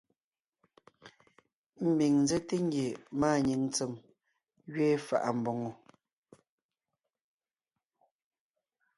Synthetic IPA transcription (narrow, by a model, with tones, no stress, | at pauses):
m̩˦bi˨ŋn˦zɛ˦te˦ŋ̩˦ɡje˨maː˦˨ɲi˨ŋ˦t͡se˨m | ɣɥeː˦fa̰˨ʔa˨m̩˨bɔ˨ŋo˨